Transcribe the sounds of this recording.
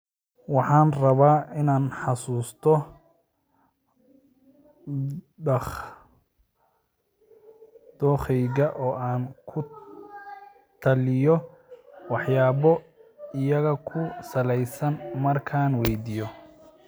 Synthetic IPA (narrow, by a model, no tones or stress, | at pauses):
wɑħɑːnrɐβaːɪnaːnħɑsuːst̪ʰɔ | ɖɐχ | d̪̥ɔːχɛjɣɐʔɔːʔaːnkʰʊ | t̪ʰɐlɪjɔ | wɑħjaːβɔɪjɐɣɐkʰʊsɐlɛjsɐnmɐrkʰaːnwɛjd̪ijɔ